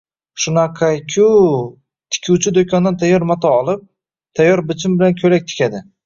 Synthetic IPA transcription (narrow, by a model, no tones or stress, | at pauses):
ʃʊnaqʰɑjkʲʰʊ | t̪ʰɪ̥kʲʰuwt͡ʃʰɪd̪okʰʲɒnd̪ant̪ʰajːɒɾmat̪ʰaːlˠɪp̚ | t̪ʰajːɒɾbɪt͡ʃʰɪmbɪlankʲʰɵlak̚ʲt̪ʰɪ̥kʲad̪ɪ